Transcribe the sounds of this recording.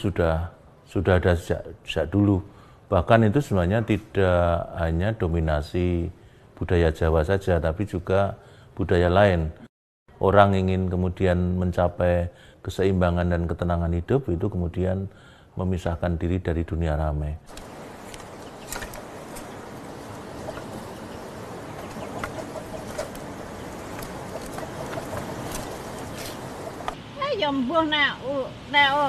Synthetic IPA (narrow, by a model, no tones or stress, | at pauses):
sud̥ah | sudaɦadḁd͡ʒa̰ʔd͡ʒ̥aʔdulu | b̥ahkanit̪usəmuaɲat̪id̥aɦaɲad̥ominasi | b̥ud̥ajḁd͡ʒ̥awasad͡ʒat̪apid͡ʒuɡ̥a | b̥ud̥ajalaɪn | ʔoɾaŋiŋɪnkəmudianməɲt͡ʃapɛ | kəsəimbaŋandankət̪ənaŋanɦid̥ʊp̚it̪ukəmudian | məmisahkandiɾidaɾiduniaɾamɛ | ɛjɔmbʊhnɛu | nɛu